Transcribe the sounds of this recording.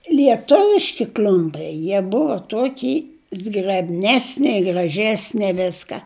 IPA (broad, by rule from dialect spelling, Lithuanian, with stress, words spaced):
lʲiɛˈtʊʋʲɪʃʲkʲɪ ˈklʲʊmʲpʲɛɪ ˈjiɛ ˈbʊʋɐ ˈtuɔkʲiː zɡrʲɛbʲˈnʲæːsʲnʲɛ ɪ ɡrɐˈʒʲæːsʲnʲɛ ˈʋʲɪskɐ